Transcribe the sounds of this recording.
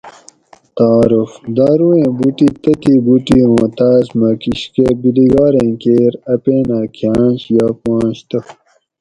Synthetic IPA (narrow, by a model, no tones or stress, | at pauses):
t̪aːɾufd̪aːɾuẽːbuʈit̪ɐt̪ibuʈiõːt̪aːsmɐkiɕkebiliɡaːɾẽːkeːɾɐpeːnaːkʰijãːnɕjaːpãːnɕt̪ɐ